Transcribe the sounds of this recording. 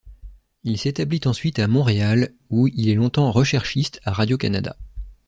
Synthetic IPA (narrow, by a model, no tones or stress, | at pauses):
ilset̪ablit̪ɑ̃sɥit̪amɔ̃ʁeal | uilɛlɔ̃t̪ɑ̃ʁəʃɛʁʃist̪aʁad̪jokana̰d̪a̰